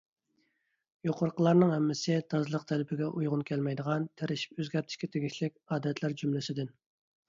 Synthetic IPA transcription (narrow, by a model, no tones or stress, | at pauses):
joqʰʊɾqʰəlˠɑɾnɨŋhɛmːɪsɪt̪ʰɑzlˠəq̚t̪ʰɛlɪpʰɪɡʲɛʔujʁʊnkʲʰɛlmɛjd̪əʁɑnt̪ʰæɾɪʃi̥pøzɡʲɛɾt̪ʰɪ̥ʃkʲɛt̪ʰeɡʲiʃlɪkʲɑːd̪ɛt̪ʰlæɾd͡ʒymlɪsɪd̪ɪn